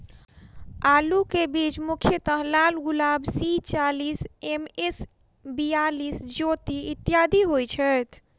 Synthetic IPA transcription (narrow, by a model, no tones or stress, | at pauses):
alukebid͡ʒmukʰjət̪əɦlalɡulabsit͡ʃalisemes | bijalisd͡ʒot̪iit̪ːjad̪ʱiɦojt͡ʃʰət̪ʰ